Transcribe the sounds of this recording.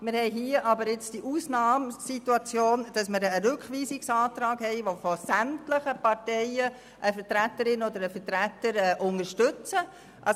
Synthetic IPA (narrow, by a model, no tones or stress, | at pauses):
mɪɾhɛɪɦiəʔɑbəɾɪt͡sd̥iʔuːsnɑːmsituɑt͡sjoːnd̥ɑsmɪɾəɾʏkʋiːsɪksɑːt̪ɾɑːɡ̥hɛɪʋofɔsæmtləχəpɑɾtɛɪə | ʔəfətɾæt̪əɾɪnɔd̪əɾəfətɾætːəɾɛʔʊŋəɾʃtʏt͡sə | ʔɑ